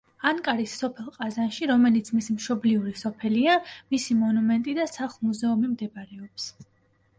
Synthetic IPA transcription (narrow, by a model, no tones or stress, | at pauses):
aŋkʼaɾisːɔpʰɛlˠqʼazanʃiɾɔmɛlit̪sʰmisimʃɔbliuɾisɔpʰɛliamisimɔnumɛnt̪ʼid̪asaχlˠmuzɛumimd̪ɛbaɾɛɔps